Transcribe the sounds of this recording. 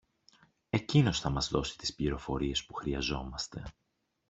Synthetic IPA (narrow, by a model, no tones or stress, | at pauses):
e̞cino̞sθɐmɐzðo̞si̥t̪i̥spliɾo̞fo̞̰ɾie̞spuxɾiɐzo̞mɐst̪e̞̰